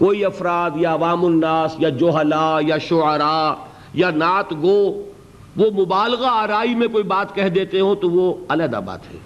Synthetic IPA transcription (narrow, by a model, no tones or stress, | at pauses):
koːiɐfɾaːd̪jaɐʋaːmʊnːaːsjad͡ʒoɦəlajaʃʊəɾa | janaːt̪ɡoː | ʋomʊbaːlɣaaːɾaːimẽkoːibaːt̪kɛɦd̪eːt̪eɦõt̪oʋoɐləd̪a̰ːba̰ːt̪ɦɛ̰ː